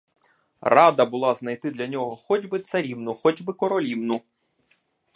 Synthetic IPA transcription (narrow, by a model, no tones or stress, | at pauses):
rɑd̪ɐbʊlˠɑznɐjt̪ɪd̪lʲɐnʲɔɦɔxɔd͡ʒʲbɪt̪sɐɾʲiwnʊxɔd͡ʒbɪkɔɾɔlʲiwnʊ